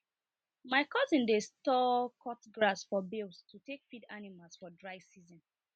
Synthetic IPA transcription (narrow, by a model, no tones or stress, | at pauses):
maɪkɔtĩndestɔkʰɔtɡɹasfɔbilstʰutekfidanimalˠsfɔdɹaɪsizɔ̃n